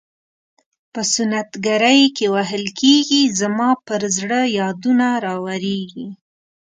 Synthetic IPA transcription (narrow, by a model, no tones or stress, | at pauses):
pəsʊnat̪ɡaɾəjkewaɦəlkʰeɡizamɑpəɾzɽəjɑd̪unaɾɑwaɾeɡi